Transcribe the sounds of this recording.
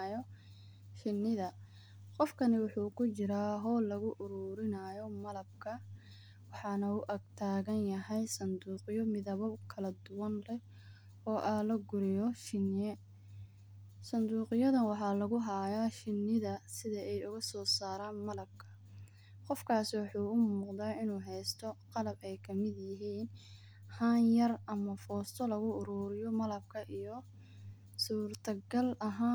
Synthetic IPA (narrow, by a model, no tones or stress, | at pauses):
jɔ | ʃɪnːɪðɐ | qɔfkʰɐnɪwɑħuːkʰʊt͡ʃɪɾaːɦɔːlɐɣʊʔʊɾuːɾɪnajɔmɐlɐbkʰɐ | wɑħɑːnɐʊʔɐɡt̪ʰaːɣɐnjɐɦɛjsɐnd̪uːqjɔmɪðɐβɔkʰɐlɐd̪ʊwɐnlɛ | ɔːʔɐlɐɡʊɾɪjɔʃɪnjɛ | sɐnd̪uːqɪjɐðɐnwɑħɑːlɐɣʊɦaːjaːʃɪnːɪðɐsɪðɐɛjʊɣɐsɔːsaːɾaːnmɐlɐb̚kʰɐ̥ | qɔfkʰaːsɪwɑħuːʊmːuːqd̪aːɪnuːɦɛjst̪ʰɔqɑlɐbɛjkʰɐmɪd̪jɪɦiːn | haːnjɐrɐmɐfɔːst̪ʰɔlɐɣʊʊɾuːɾɪjɔmɐlɐb̚kʰɐʔijɔ | suːrt̪ʰɐɡɐlɐɦaː